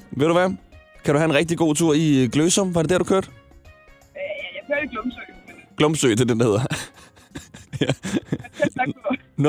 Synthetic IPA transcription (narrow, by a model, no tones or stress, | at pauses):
ʋe̝̰d̥ɾuʋækʰæɾ̥uhæe̝nʁɛɡ̥̚d̥iɡ̥o̝̰ːt͡sʰuɐ̰iɡ̥løːsɒ̽m̰ʋɑ̈ɾe̝d̥æɐd̥ukʰøɐd̥ | jæjakʰøɐ̥iɡ̥lɔmsø̥ɡ̥lɔ̽msøːt͡sʰeldend̥ahe̝ð̰ˠɐ | æ | n